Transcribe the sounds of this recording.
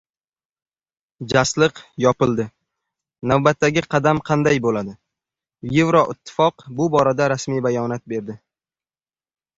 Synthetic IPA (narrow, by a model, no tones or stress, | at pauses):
d͡ʒaslɨqjɒpɪlˠd̪ɪ | navbat̪ːaɡʲɪqʰɑd̪amqʰɑnd̪ajbolad̪ɪ | jevɾɒʔɪt̪ʰːɪ̥fɒqbʊbɒɾad̪aɾasmijbajɒnat̪̚be̞ɾd̪ɪ